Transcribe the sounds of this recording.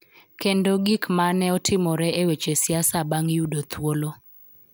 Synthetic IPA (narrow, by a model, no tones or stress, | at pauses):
kendoɡikmanɛɔtʰɪmɔɾɛewet͡ʃesjasabaŋjudot̪wolo